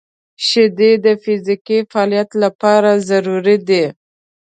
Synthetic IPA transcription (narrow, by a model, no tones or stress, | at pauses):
ʃɪd̪ed̪əfɪzikifaɑːlijat̪lapɑɾazaɾuɾid̪e